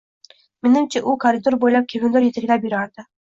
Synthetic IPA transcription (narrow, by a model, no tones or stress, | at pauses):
mɪnɪmt͡ʃʰaʔʊkʰoɾɪd̪oɾbojlap̚kʲʰevʲɪnd̪ɪɾjet̪ʰakʲlapjʊɾaɾd̪̥ɪ